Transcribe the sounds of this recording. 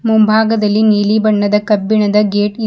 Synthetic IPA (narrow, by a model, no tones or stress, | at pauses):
mumbʱaːɡɐd̪ɐlːiniːlibɐɳːɐd̪ɐkɐbːiɳɐd̪ɐɡeːʈi